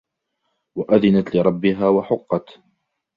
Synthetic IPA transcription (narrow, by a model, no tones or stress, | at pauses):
waʔaðɪnat̪lɪɾˤɑbːɪɦaːwaħʊqːɑt̪